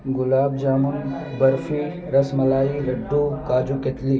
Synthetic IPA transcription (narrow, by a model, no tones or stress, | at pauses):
ɡʊlaːb̚d͡ʒaːmun | bɐɾfʰi | ɾɐsmɐlaːiɾɐɖːukaːd͡ʒuket̪li